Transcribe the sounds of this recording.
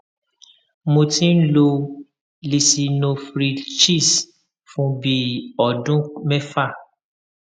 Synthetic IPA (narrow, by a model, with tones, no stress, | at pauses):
mõ˧tĩ˦n̩˦lo˧ | li˨si˧nõ˧fɾi˧t͡ʃi˦˨s | fũ˦bi˧˦ɔ˨dũ˦mɛ˦fa˦˨